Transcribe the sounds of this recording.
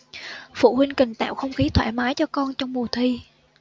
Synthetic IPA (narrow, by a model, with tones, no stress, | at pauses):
fṵ˧˩hwï˧ŋ̟kï˨˩ŋ̟t̪a̰ː˧˨wxə˧wŋ͡mxi˨˦t̪ʰwe˧˩maː˨˦jt͡ɕɔ˧kɔ˧nt͡ɕɔ˧wŋ͡mmu˨˩ət̪ʰwi˧